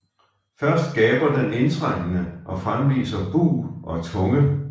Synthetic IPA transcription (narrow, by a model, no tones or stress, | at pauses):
fɶɐsd̥̚ɡ̥ɛːb̥ɐd̥ene̝nt͡sʰʁaŋ̰ənəʔɒ̽fʁamʋḭːsɐb̥ṵːʔɒ̽t͡sʰɔ̽ŋə